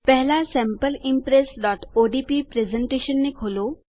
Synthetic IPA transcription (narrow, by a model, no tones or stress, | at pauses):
pɛɦlasɛ̃ːmpəlɪmpɾesɖɔːʈoːɖiːpipɾezəɳʈeːʃənːekʰoːloː